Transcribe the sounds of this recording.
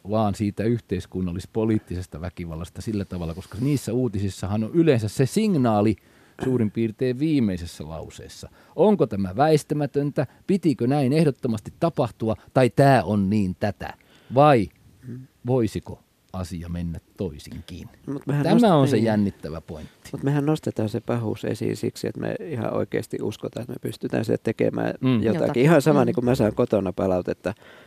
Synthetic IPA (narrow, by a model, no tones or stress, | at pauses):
ʋɑːnsiːt̪æyht̪eiskunːɑlːˑispoliːt̪ːisest̪ɑʋækiʋɑ̰lːɑst̪ɑsilːæt̪ɑʋɑlːɑkoskɑniːsːæuːt̪isisːɑhɑnoʔylensæssesiŋnɑːli | suːrimpiːrt̪eːʋʋiːmˑeisesːælɑ̰usḛːsːɑ | oŋkot̪æmæʋæest̪æmæt̪ønt̪æpit̪ikønæinehɾot̪ːomɑst̪it̪tɑpɑht̪uɑt̪ɑit̪æːʔonniːnt̪æt̪æ̰ | ʋɑi | ʋoisiko̰ | ɑsiɑmenːæt̪toisḭŋkḭnmut̪mehænt̪æmæonsejænːit̪ːæʋæ̰po̰int̪ːi̥mut̪mehænnost̪et̪ɑːnsepɑhṵsḛsḭːnsiksiḛt̪mḛihɑ̰ʔo̰ikḛːst̪iʔʔuskot̪ɑːet̪mepyst̪yt̪æ̰̃ːnsiæt̪ekḛmæ̰ːjot̪ɑ̰kiihɑnsɑmɑnikummæsɑiŋkot̪onɑpɑlɑut̪et̪ːɑ